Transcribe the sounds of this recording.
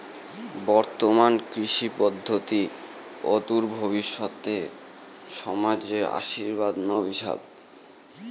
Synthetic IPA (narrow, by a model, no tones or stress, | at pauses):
bɔɾt̪omankɾiʃipɔd̪ʱːot̪i | ot̪uɾbʱoβiʃːot̪e | ʃɔmad͡ʑea̰ʃiɾbad̪nɔbiʃa̰b